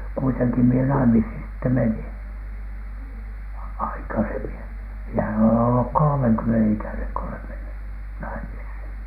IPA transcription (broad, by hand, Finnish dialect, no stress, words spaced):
kuiteŋki mie nɑimishin sitːe menin ɑikɑsemi miehæn olen olːuk kolŏmeŋkymːenen ikæneŋ ko olem menːy nɑimishin